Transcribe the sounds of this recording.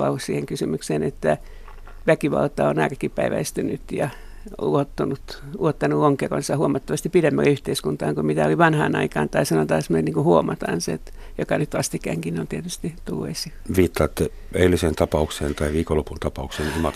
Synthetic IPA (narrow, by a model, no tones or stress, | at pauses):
ɑ̰ssiːheŋkysymykseːnet̪ːæ | ʋækiʋɑ̰lt̪ɑonɑːrkːipæiʋæ̰ist̪ynyt̪jɑ | ṵot̪ːunut̪ | uot̪ːɑnuoŋkero̰nsɑhuomɑt̪ːɑʋɑst̪ipidemːælæyht̪eiskunt̪ɑːŋkumit̪æoliʋɑnhɑ̰ːnɑ̰ikɑːnt̪ɑisɑnot̪ɑːsemonenniŋkuhuomɑt̪ɑ̰nsḛt̪ | jokɑnyt̪ʋɑst̪ikæ̰ŋkinont̪iet̪yst̪it̪ṵlːḛsi | ʋiːt̪ːɑːt̪ːe | eilːisent̪ɑpɑukseːnt̪ɑiʋiːkolːopunt̪ɑpɑuksenimɑt̪